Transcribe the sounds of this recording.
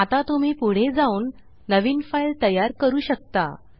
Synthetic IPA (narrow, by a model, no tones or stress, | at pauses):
at̪at̪um̤iːpuɽ̤ed͡zauːnː | əʋiːnfailt̪əjaɾkəɾuːɕək̚t̪a̰